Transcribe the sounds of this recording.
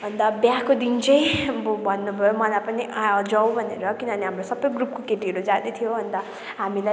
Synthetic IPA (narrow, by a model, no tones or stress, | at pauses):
bʌnd̪ʌbjakod̪int͡sʌj̃bbʱʌnːubʱʌjomʌlajpʌniʔaʌd͡zaw̃bʱʌneɾʌkinʌʌneɦamrosʌbʌjɡrup̚kokeʈiɦʌɾud͡zad̪et̪ʰijoɦʌnd̪ʌ | ɦamila